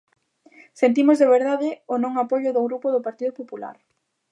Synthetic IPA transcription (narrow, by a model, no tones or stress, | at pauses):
sent̪̬imʊzðeβ̞eɾðaðɪʊnõŋapoʎʊðʊɣɾupʊðʊpaɾt̪iðʊpopula̰ɾ